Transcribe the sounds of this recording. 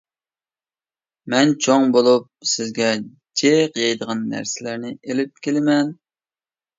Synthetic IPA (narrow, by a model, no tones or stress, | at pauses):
mɛnt͡ʃʰoŋbolˠup̚sɪzɡʲɛ | d͡ʒʰeqjɑjd̪əʁɑnːæ̰ɾsɪlæɾnɪelɪp̚kʲʰelɪmɛn